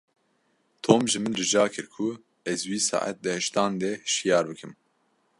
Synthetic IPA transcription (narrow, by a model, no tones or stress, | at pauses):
t̪ʰoːmʒɨmɨnrɨʒɑːkʰɨɾkʰu | ɛzwiːsɑ̰ːʔæ̰t̪̚d̪ɨhɛʃt̪ɑːnd̪ɛhʃijɑːɾbɨkʰɨm